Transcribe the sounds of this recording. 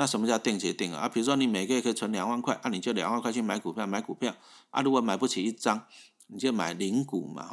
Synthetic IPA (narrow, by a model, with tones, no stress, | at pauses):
na˥˩ə˧˦nmɔ˧t͡ɕja˥˧ʊt̪i˥˧˨ŋt͡ɕjɛ˨˧˦t̪i˥˩˨ŋə̰˨˦ʔa˦˥pʰi˨˩u˦ʂ̬wɔ˥ni˨˩me˨˩ɪkə˧˦jkʰə˥i˨˩t͡sʰwə˧˦nlja˨˩ŋwa˥˧˨nkʰwa˥˧ɪʔa˦nĩ˨˩t͡ɕjo˥˧ʊlja˨˦ŋwa˥˧kwa˥˧t͡ɕʰi˥˧˨mã˧˦ɪku˨˩pʰjɑ˥˩ʊma˨˦ɪku˨˩pʰja˥˨ʊʔa̰˦lu˧˦˥ko˨˩˦ma˨˩ɪpu˥˩t͡ɕʰi˨˩i˦˥t͡sa˦ŋ | ni˨˩t͡ɕjo˥˧ʊmã̰˨˩ɪli˧˥ŋkṵ˨˩ma̰˨˦